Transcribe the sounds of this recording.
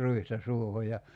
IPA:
ruistɑ suoho jɑ

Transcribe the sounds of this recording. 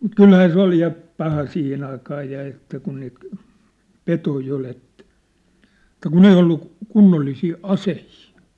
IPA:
kylhæː se ol jɑ pɑhɑ siːhen ɑikɑː jɑ ĕtːæ kun niːt petoi ol etˑæ̥ etˑæ kun ei olːu kunːolːisiː ɑsehiː

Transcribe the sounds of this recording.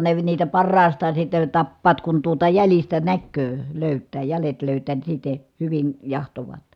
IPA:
ne niːtæ pɑrːɑːstɑːn sitːen̞ tɑpːɑːt kun tuotɑ jælistæ nækːøː løˑytːæː jælet løˑytˑæː ni sitːe hyʋin jɑhtoʋɑːt

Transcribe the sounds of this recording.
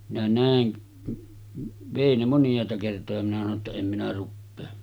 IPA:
minæ næˑen ʋeˑi ne monjˑɑˑetɑ kertojɑ minæ sɑno tːɑ em minæ rupːeː

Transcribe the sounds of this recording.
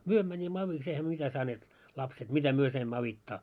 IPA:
myø mænʲimːæ ɑʋiks eihæ m̆y̆ø̆ mitæ sɑneːt lɑpset mitæ myø sɑimːɑː ɑʋitːɑ

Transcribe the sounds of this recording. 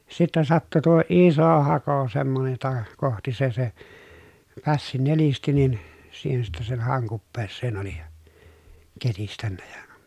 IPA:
sitːɛ sɑtːu tuo iˑso hɑko semːonej jotɑ kohti se se pæsːi nelisti nin siːhen sitːɛ sen hɑˑoŋ kupːeːsːeːn oli ketistænːæ jɑ

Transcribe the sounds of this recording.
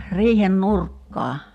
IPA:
riːhen nurkːɑː

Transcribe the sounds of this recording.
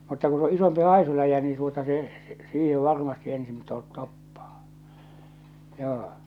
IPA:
mutːɑ ku s o isompi hɑˑisulæjæ niː tuotɑ se siːhe ʋɑrmɑsti ensin to topːɑ̥ː joː

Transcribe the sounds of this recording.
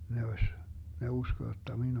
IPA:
ne osʲ ne usko jotːɑ min

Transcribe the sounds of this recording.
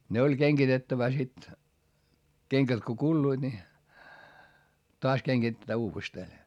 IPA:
ne olʲ keŋɡ̊itetːæʋæ sit keŋkæt ko kulːuid̥ ni toɑs keŋɡ̊itetːæː uːʋesteː

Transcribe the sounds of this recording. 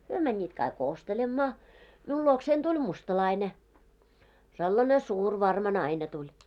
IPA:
hyø mænʲːiːt kɑik ostelemːɑː miul luoksein tulʲ mustɑlɑine selːɑne suːr ʋɑrmɑ nɑine tulʲ

